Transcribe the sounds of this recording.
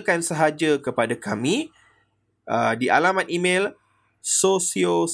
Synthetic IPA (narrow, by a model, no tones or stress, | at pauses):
kansəɦad͡ʒakəpadakʰamĩ | ʔədiʔa̰lamãt̪imẽl | sosio